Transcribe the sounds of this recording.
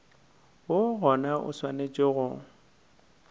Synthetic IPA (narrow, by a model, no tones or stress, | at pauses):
woɣɔnaʔʊ̰swanet͡ʃʼɪɣʊ